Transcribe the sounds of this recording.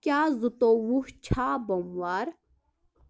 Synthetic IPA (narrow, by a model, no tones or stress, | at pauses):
kjaːzut̪owuht͡ɕʰaːbɐmwaːɾ